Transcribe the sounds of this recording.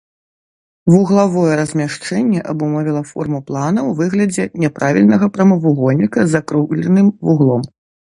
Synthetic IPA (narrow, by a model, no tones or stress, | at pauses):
vuɣlˠavɔjɛɾɐzʲmʲaʂt͡ʂɛnʲːɛʔɐbumɔvʲilˠɐfɔ̰rmuplˠanɐwvɨɣlʲɐd͡zʲɛnʲɛpɾʔavʲilʲnɐɣɐpɾɐmɐvuɣɔnʲːikɐzakɾuɣlʲɛnɨmvuɣlˠɔm